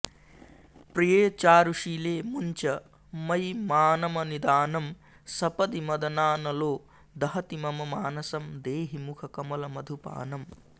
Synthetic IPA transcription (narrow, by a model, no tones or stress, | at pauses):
pɾijeːt͡ʃaːɾuʂiːleːmuɲt͡ʃɐ | mɐjmaːnɐmɐnid̪aːnɐm | sɐpɐd̪imɐd̪ɐnaːnɐloː | d̪ɐɦɐt̪imɐmɐmaːnɐsɐmd̪eːɦimukʰɐkɐmɐlɐmɐd̪ʱupa̰ːnɐm